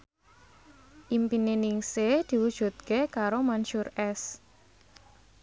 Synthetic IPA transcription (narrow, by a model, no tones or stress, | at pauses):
ʔimpinenɪŋsed̪̥i̤wud̥ʒ̥ṳt̪̚kekaɾomanʃuɾɛs